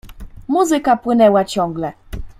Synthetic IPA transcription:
muzikapwenɛwat͡ʃɔŋɡlɛ

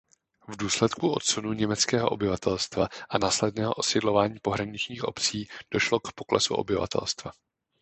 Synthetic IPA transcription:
vduːslɛt̪kuʔo̞̰t̪̚t͡sunuɲɛmɛt͡skɛːɦo̞ʔobɪvat̪ɛlst̪vaʔanaːslɛdnɛːɦo̞ʔosɪdlo̞vaːɲiːpo̞ɦɾaɲɪt͡ʃɲiːxʔo̞̰pt͡siːd̥o̞ʃlo̞kpo̞klɛsṵʔo̞̰bɪva̰t̪ʰɛ̰lst̪va

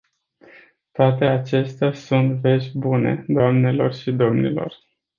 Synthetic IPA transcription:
t̪oat̪e̞at͡ʃe̞st̪easunt̪ve̞ʃʲbune̞̰d̪oamne̞lo̞rʃid̪o̞mnḭlo̞̰r

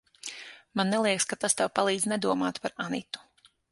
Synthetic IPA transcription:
manːɛlˠiɛkskat̪ast̪ɛwpalˠiːd̪znɛd̪uɔma̰ːt̪paɾanit̪u̥

